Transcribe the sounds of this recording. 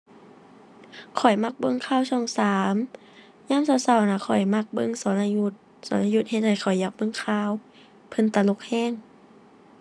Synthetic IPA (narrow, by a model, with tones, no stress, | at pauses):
kʰɔ˨˩jma˧˥k̚bɤ˧˨ŋkʰaː˧˥˨wsɔː˧˩ŋsaː˨˦m | ɲaː˧˥˨msa˧˩˨wsa˧˩wnaː˧˩kʰɔ˨˩jma˧˩k̚bɤ˧˨ŋsɔː˨˦nʔa˧ju˧t̪̚ | sɔː˨˦nʔa˧ju˧t̪̚he˧t̪̚ha˧˩jkʰɔ˨˩jːa˧k̚bɤ˧˥˨ŋkʰaː˧˩˨w | pʰɤ˧˥˨nt̪a˧lo˧˥k̚hɛː˧˥˨ŋ